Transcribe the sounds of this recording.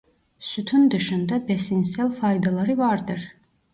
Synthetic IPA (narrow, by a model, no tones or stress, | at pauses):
syt̪ʰund̪ɯʃund̪æbesinsɛlfɑjd̪ɑlˠɑɾɯvɑɾd̪ɯɾ